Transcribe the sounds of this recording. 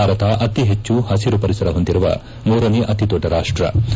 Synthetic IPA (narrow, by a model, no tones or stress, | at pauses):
aːɾɐt̪ɐʔɐt̪iɦet͡ʃːuhɐsiɾupɐɾisɐɾɐɦond̪iɾuʋɐ̰ | muːɾɐneːʔɐt̪it̪oʈːɐɾaːʂʈɾɐ̰